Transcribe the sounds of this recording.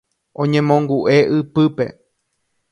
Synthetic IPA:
õɲẽmõŋɡuʔeʔɨpɨpḛ

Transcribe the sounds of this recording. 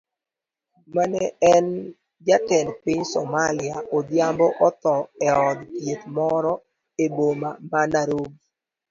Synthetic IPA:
manɛɛn | d͡ʒatɛnpɪɲsɔmalɪaʔodjambɔʔɔt̪ɔɛɔd̪tjet̪mɔɾɔ | ebomamanaɾoɡi

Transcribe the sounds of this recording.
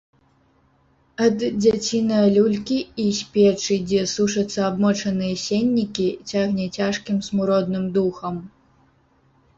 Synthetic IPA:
ɐd̪d͡zʲat͡sʲinɐjɐlʲulʲkʲiisʲpʲɛt͡ʂɨd͡zʲɛsuʂɐt̪sːɐabmɔt͡ʂɐnɨjɛsʲenʲːikʲit͡sʲaɣnʲɛt͡sʲaʂkʲimsmuɾɔd̪nɨmd̪uxɐm

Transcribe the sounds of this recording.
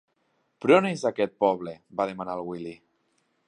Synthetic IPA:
pɾonezakɛt̪̚pɔβ̞lebaðemanalˠɣwili

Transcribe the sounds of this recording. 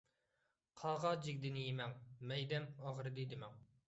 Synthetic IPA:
qʰɑːʁɑd͡ʒɪɡʲd̪ɪnɪjemɛŋmɛjd̪ɛmɑʁɾɨd̪id̪ɪmɛŋ

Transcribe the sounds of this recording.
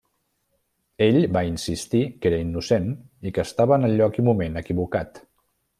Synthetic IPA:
eʎbainsist̪ikeɾəinːusenikəːst̪aβəːnəʎːɔkimumenəkiβukat̪

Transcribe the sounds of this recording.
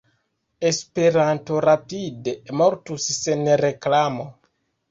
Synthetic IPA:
e̞spe̞ɾanto̞ɾapidemo̞ɾtusːenɾe̞klamo̞

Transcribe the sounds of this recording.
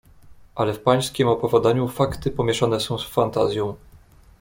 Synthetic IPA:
ʔalɛfpaj̃skʲimɔpɔvʲɔd̪aɲufakt̪ɘpɔmʲjɛʂanɛsɔ̃w̃sfant̪azʲjɔ̃w̃

